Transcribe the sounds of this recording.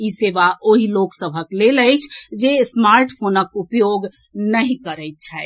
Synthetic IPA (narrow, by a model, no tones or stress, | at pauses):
iseʋaʔoɦiloksəbʱəkleləjt͡ʃʰd͡ʒesmaɾʈpʰonəkupjoɡ | nəɦĩkəɾəɪt̪̚t͡ʃʰɛ